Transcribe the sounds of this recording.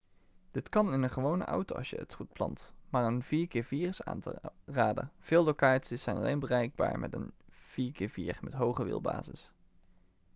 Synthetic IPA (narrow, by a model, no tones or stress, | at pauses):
d̥ɪtkɑnɪnənχəʋownə̰ʔɔ̰wtowʔɑ̰sjəə̰tχut̚plɑ̰ntmaːɹənviːɹkɪːɹviːrəsa̰ːntraːdə̰v̥ɪːlˠlowkaːtsisɛjnɑ̰lḛjnbərɛjɡ̚ba̰ːɹmɛ̰tə̰nv̥iːɹkɪːɹviːɹmɛtɦowχəʋɪ̰lˠba̰ːzɪs